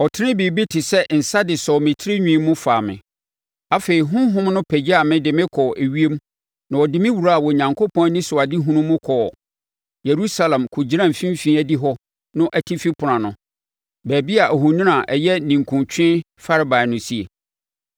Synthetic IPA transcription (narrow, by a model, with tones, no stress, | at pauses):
ɔ˨tʰɪ˦nɪ̃˦biː˨bi˦tʰɪ˨sɛ˦n̩˨sa˦dɪ˨sɔ˨mɪ̃˨tʰɪ˦ɾɪ˦ɲᶣĩ˦mːʊ̃˦faː˨mɪ̰̃˨ | a˦fe˨i˨ɦʊ̃˦ɦʊ̃˦mnʊ̃˦pʰæ˨d͡ʑi˦a˨mɪ̃˦dɪ˨mɪ̃˦kʰɔ˨ʔæ˨ɥi˦e˦m | nã˨ɔ˨dɪ˦mɪ̃˦wu˨ɾa˦a˨wɔ˨ɲã˨ŋkʰo˦pʰɔ̃˦n˦nĩ˦sʊ˨a˨dɪ˦ɦũ˦nũ˦mʊ̃˦kʰɔː˨ | je˨ɾu˦sa˨lɛ̃˨mkʰʊ˨d͡ʑi˦ɾã˦˨fĩ˦m˦fĩ˦æ˦di˦ɦɔ˦ | nʊ̃˦ʔæ˨tʰi˦fi˦pʰʊ˨ã˨nʊ̃˨ | bæː˨bi˦a˨ʔæ˨ɦu˨nĩ˦nã˨ʔɛ˨jɛ˦nĩ˨ŋ̩kʰũ˨nt͡ɕᶣʰɪ̃˦ | fa˦ɾɪ˦ba˨ɪ˨nʊ̃˦si˦e˨